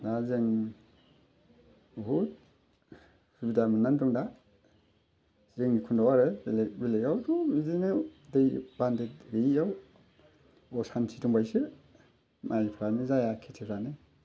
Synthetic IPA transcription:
dazeŋ | ɦut̚ | subidamɯnandɔŋda | zeŋikʰundawaɾɯbelejawdumizinɯdejbandetbejaw | ɔsantʰituŋbajsɯ | mʔajpʰɾanɯzajakʰetʰepʰɾanɯ

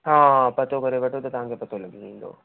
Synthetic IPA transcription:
ɦãːpɐt̪okɐɾeʋɐʈʰot̪ɐt̪ɐʋɦãŋkʰepɐt̪ʰolɐɡʱĩĩːnd̪o̰ː

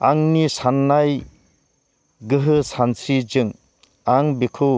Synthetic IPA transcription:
aŋnisanːaj | ɡɯɦɯsansid͡ʒɯŋ | aŋbikʰɯ

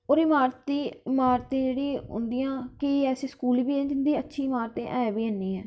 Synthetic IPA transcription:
oːɾɪmaːɾt̪iːɪmaːɾt̪ẽːd͡ʒeːɽiːɦʊ̰̃nd̪ɪjãːkɪɛːseːskuːlbiːɛ̃d͡ʒɪnd̪iːətːʃʰiːɪmaːɾt̪ẽːʔɛ̃ːbiːənːiːɛː

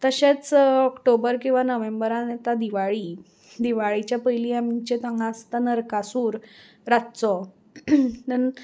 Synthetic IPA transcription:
t̪əɕet͡sɔkʈobəɾkĩw̃ʋanəʋembəɾant̪ad̪iʋaɭi | d̪iʋaɭit͡ɕjapəjliːamt͡ɕet̪ãŋɡãst̪anəɾkasuːɾ | ɾat̪t͡sɔ | nən

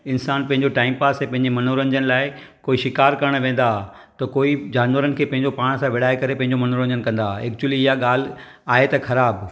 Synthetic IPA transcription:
ɪnsaːnpɐ̃ɦɪ̃ɲd͡ʑoʈaːɪmpaːsẽpɐ̃ɦɪ̃ɲd͡ʑemɐnoɾə̃ɲd͡ʑənɪ̆laːɪ | koːiʃɪkaːɾkɐɾəɽ̃ʋẽːn̆d̪a | t̪ɐkoːid͡ʑaːnʋəɾənɪ̆kʰeːpɐ̃ɦɪ̃ɲd͡ʑopaːɽ̃sãʋɪɽaːekɐɾepɐ̃ɦɪ̃ɲ̆d͡ʑomɐnoɾə̃ɲd͡ʑənɪkɐ̃n̆d̪aeːk̚t͡ɕuəliɪɦaɠaːl̤ | aːɦet̪ɐxɐɾaːb

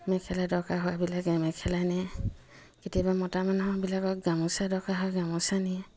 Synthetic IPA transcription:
mɛkʰɛladɔkaɦʊwabilakɛmɛkʰɛlajnɛ | ketijabamɔtamanɔbilakɔk̚ɡamʊsadɔkaɦoaɡamusaniɛ

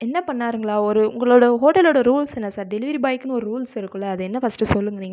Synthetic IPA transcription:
ɛnːɐpɐɳːaːɾɯŋɡɐɭaːɔɾɯʊ̰ŋɡɐɭoːɽɐɦoːʈɐloːɽɐɾuːlsɛnːɐsaːɾɖɛlɪʋɐɾibɐːɪkːɯnɯɔɾɯɾuːlsɪɾɯkːɯɭːɐːðɯɛnːɐfɐsʈɯsɔlːɯŋɡɐniːŋɡɐ

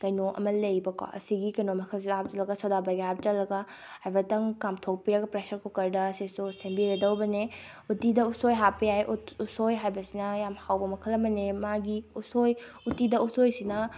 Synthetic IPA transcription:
kɐjnoʔɐ̰mɐlɐjbɐka̰ɐ̰siɡikɐjnomɐkʰɐls̬inɦap̚d͡ʒɐlɐɡɐsodabajɡeap̚t͡ʃɐlːɐɡa | hajbɐtɐŋkamtʰok̚piɾɐɡɐpɾesɐɾkʰokɐɾdɐːsisusembiɾedɐwbɐne | utidɐusojɦapːɐjajʔutusojɦajbɐsinɐjamhawbɐmɐkʰɐlɐmɐnemaɡiusoj | utidɐusojsinɐ

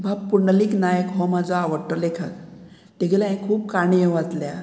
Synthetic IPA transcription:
bʱab̚puɾɳaliːknajəkɦɔmad͡zʱaːʋəɾʈːəlekʰat̪̚ | t̪eɡelaẽkʰuːp̚kaɳijẽʋat̪lja

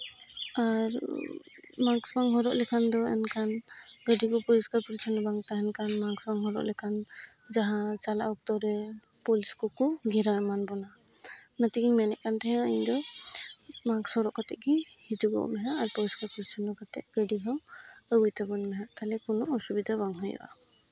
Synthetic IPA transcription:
aɾ | maɡsbaŋɦɔɾɔʔlɛkʰand̪ɔɛ̰nkanɡəɖikɔpɔliskaɾpuɾit͡ʃʰɔnɔbaŋt̪aɦɛnkanmaŋsbaŋɦɔɾɔ̰ʔlɛkʰan | d͡ʒaɦãt͡ʃala̰ʔɔk̚t̪ɔɾɛpɔliskɔkuɡɛɾamanbɔna | nat̪iɡiɲmanɛʔkant̪ɛɦɛ̃aiɲd̪ɔ | maɡsɔɾɔʔkat̪ɛʔɡihid͡ʒuɡɔ̰ʔmɛɦaʔaɾpɔliskaɾpuɾit͡ʃʰɔnɔkat̪ɛʔ̚ɡ̥əɖiɦɔməɡujt̪abɔnmɛɦaʔt̪alɛkunɔʔɔsubid̪ʱaβaŋɦɔjɔ̰ʔa̰

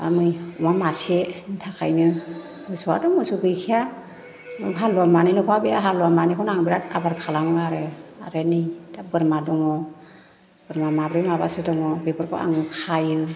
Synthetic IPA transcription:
a̰mɯjɔmamaseitʰakʰajnɯ | mɯsɔa̰dɔmɔsuɡɯjkʰija | mɯɦalɔamanilɔpʰabeaɦalɔamanikʰɔnaŋbiɾat̚abaɾkʰalamɯaɾɯa̰ɾenijd̥abɯɾmadɔŋɔ | b̥ɯɾmamabɾɯmabasɯdɔŋɔbebɯɾkʰɔ̰a̰ŋɯkʰajɯ

